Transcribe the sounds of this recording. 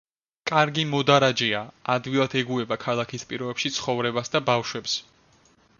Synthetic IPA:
kʼaɾɡimɔd̪aɾad͡ʒɛaad̪wilˠat̪ʰɛɡuɛbakʰalˠakʰispʼiɾɔbɛpʃit̪sʰχɔvɾɛbasd̪abavʃwɛps

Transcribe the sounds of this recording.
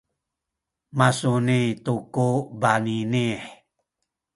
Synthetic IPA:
masunit̪ukubaninie

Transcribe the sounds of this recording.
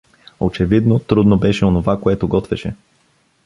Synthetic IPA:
ot͡ʃɛvid̪not̪ɾud̪nobɛʃɛonovakoɛt̪oɡɔt̪vɛʃɛ

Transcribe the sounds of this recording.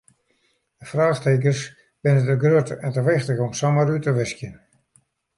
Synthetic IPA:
dəfraːxteːk̬ərs | b̥ɪnətəɡrøətɛntəʋɪxtəɣɔmsaməɾytəʋɪskjən

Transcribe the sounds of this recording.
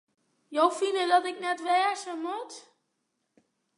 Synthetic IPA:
jowfinədɔtɪk̚nɛtʋɛːsəmɔt

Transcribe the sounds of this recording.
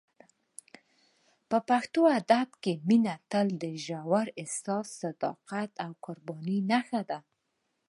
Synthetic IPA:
pəpaxt̪oad̪abkeminat̪əld̪əʒawaɾɪsɑssad̪ɑ̰qat̪awkʊɾbɑninaxad̪a

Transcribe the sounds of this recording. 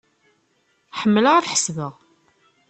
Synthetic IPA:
ħəmːələʁæθħə̥svəʁ

